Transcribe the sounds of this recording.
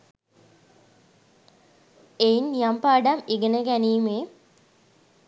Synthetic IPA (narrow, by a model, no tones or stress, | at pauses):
einjampaːɖamiɡənəɡæniːme